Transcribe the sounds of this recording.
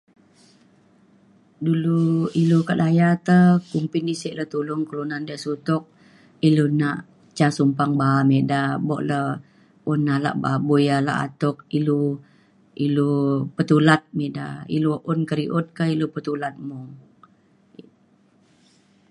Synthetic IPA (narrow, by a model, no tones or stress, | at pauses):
duluilukadajat̪əkumpindisɛʔləht̪ulʊŋkəlunandəʔsut̪ɔk̚ | ilunaʔ | t͡ʃasumpaŋbamedabɔ̰ʔlə | unːala̰ʔba̰bujala̰ʔa̰t̪ɔk̚ilu | ilupət̪ulat̪̚meda̰ḭluʔunkəɾiʔʊt̪̚kailupət̪ulat̪̚mɔŋ